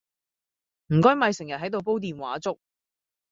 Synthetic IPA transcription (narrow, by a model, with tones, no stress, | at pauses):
m̩˨˩kɔː˥jmɐ˨˧jsɪ˨˩ŋjɐ˨t̚hɐ˨˥jt̪̬o˨˧wp̬o˥wt̪iː˨˧nwa̰ː˨˥t͡sʊ˥k̚